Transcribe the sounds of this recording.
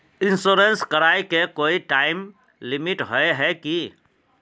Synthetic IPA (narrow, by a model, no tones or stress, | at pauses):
ɪ̃nsoːɾenskɐɾaːekekoːiʈaːɪm | lɪmɪʈɦoeɦɛki